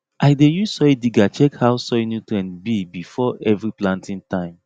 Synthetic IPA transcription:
aɪdejusɔidiɡat͡ʃɛkhawsɔjnutɾɛ̃nbibifɔɛvɾiplãntʰĩntãɪ̃m

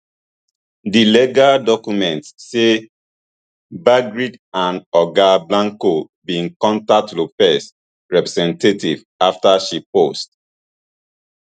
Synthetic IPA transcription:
dilɛɡadɔkjumɛ̃ntse | baɡɹidãndɔɡablãŋko | bĩŋkɔ̃ntak̚tlopɛs | ɹɛpɹɛzɛ̃ntetḭv | aftaʃipost

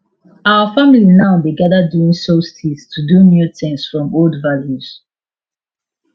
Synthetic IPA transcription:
aʊəfamlinaʊbeɡaðəduɪ̃ŋsostʰistʰudumjutɪ̃nsfɹɔ̃moldvaljuz̥

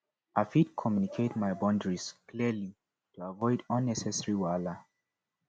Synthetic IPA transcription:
ʔafid̚kʰɔmjunikʰetmaɪbɔ̃ndɹiskʰliəli | tuavɔɪdɔ̃nːɛsɛsəɹiwalə

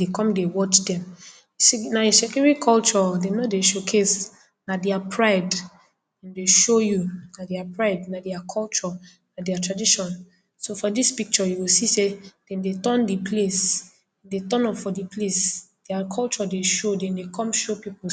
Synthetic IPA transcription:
dekɔ̃mdewɔt͡ʃdɛ̃m | naisɛkɔɹikʰɔlt͡ʃɔdɛ̃mnɔdeʃokʰes | nadɛapʰɹaɪd | ɛ̃ndeʃojunadɛapɹaɪdnadɛakʰɔlt͡ʃɔ | nadɛatʰɹadiʃɔ̃n | sofɔdispik̚t͡ʃɔjuɡosised̥ɛ̃mdetɔ̃ndipʰles | ɛndetɔ̃nɔffɔdipʰlesd̥ɛakʰɔlt͡ʃɔdeʃodɛ̃ndekɔ̃mʃopipo

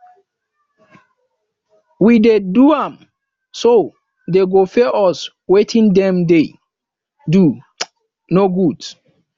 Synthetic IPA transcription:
wideduãm | so | deɡofɛʔɔs | wetʰĩndɛ̃mde | du | noɡud

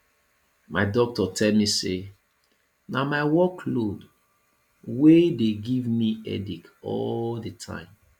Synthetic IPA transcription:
maɪdɔk̚tɔtʰɛlmise | namaɪwɔkʰlod | wedeɡivmiɛ̰dikɔ̰ldətʰã̰ɪ̃m

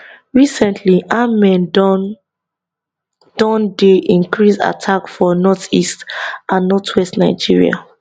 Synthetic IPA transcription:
ɹisɛ̃ntʰliʔamɛ̃n | d̥ɔ̃ndeʔĩnkɹisa̰tʰakfɔnɔtistãnːɔtʰwɛstnaɪd͡ʒiɹḭa̰

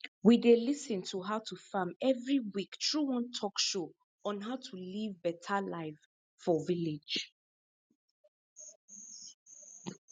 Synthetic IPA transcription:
widelisə̃ntʰuɦaʊtʰufãmɛvɹiwiktʰɹ̥uwɔ̃ntʰɔkʃo | ɔ̃nɦaʊtʰulivbɛtʰalaɪf | fɔvilɪ̥d͡ʒ

